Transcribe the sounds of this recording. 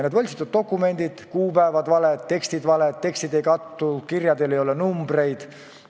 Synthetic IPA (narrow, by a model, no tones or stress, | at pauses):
ned̪vɤlʲsit̪ːud̪̚t̪o̞kːˑume̞nd̪̥id̪̥kuːpæevɑd̪vɑlet̪t̪ːe̞kst̪id̪vɑlett̪ːe̞kst̪id̪e̞jkɑt̪ːukirjɑd̪e̞lejo̞lenumbre̞jd̪̥